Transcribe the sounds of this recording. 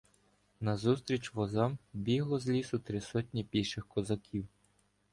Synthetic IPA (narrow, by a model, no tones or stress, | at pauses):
nɐzust̪ɾʲit͡ʃʋɔzɑmbʲiɦlˠɔzlʲisʊt̪ɾɪsɔtʲnʲipʲijʃɪxkɔzɐkʲiw